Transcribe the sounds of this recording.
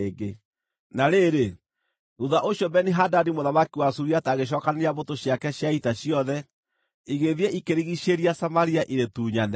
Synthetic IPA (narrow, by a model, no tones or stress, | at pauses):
ɡe | naɾeɾe | ɾuðaʔoɕjɔbɛniɦadadimoðamakiwasuɾiataɣeɕ̬ɔːkaneɾjaβotoɕjakɛɕjaitaɕiɔðɛ | iɣeðiɛʔikeɾiɣiʃeɾiasamaɾiaʔiɾetuːɲan